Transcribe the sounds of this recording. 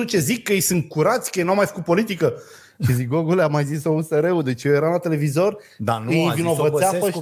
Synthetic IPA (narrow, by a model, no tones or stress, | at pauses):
ut͡ʃe̞zikːəjejsɨnt̪̚kuɾat̪sʲkəjejnuawmajfə̥kut̪̚po̞lit̪ikə | ʃizik̚ɡoɡuleamajzisouseɾeud̪e̞t͡ʃjejeɾalat̪e̞le̞vizo̞r | d̪anjjvino̞vət̪eafə